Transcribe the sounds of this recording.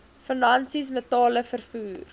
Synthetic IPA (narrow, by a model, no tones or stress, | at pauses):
fənɐnsis̬mətɑːləfərfuːr